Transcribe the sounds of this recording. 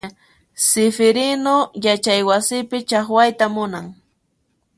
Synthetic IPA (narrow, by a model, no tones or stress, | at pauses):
sɪfɪɾɪnojat͡ʃajwasɪpɪt͡ʃaχwajt̪amʊnaŋ